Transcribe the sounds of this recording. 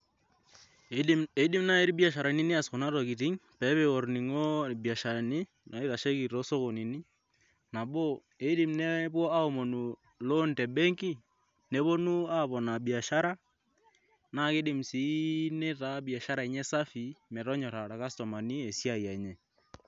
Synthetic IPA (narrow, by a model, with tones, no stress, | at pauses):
e˨˦di˦mna˦e˦ɾi˦bi˦a˨ʃa˨ɾa˨ni˦ni˦a˨sko˨na˦tɔ˨ki˨tɪ˦ŋpɛ˨˦pe˨o˨ɾni˨ŋo˦˨bi˨a˨ʃa˨ni˦ | nɔ˨e˦ða˨ʃe˦ki˨ɾo˦so˦ko˨ni˨ni˦ | na˨bo˦ | e˨˦di˨mne˦bɔ˦a˦o˨mo˨nu˨ | lo˦ntɛ˨be˦ŋki˦ | ne˦bo˦nu˦a˦bɔ˨na˨bi˨a˨ʃa˦ɾa˦ | na˦˨ke˦di˨msi˨˦ne˦ta˦bi˨a˨ʃa˦ɾa˨i˨ɲɛ˦sa˦fi˨mɛ˨ɾɔ˦ɲɔ˨ɾa˨ɾa˨ka˦stɔ˨ma˨ni˦e˨sja˦˨ja˨ɲɛ˨